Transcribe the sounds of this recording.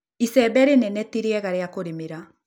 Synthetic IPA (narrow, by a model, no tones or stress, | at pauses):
isɛbɛɾenɛnɛtiɾeɛɣaɾeakoɾemeɾa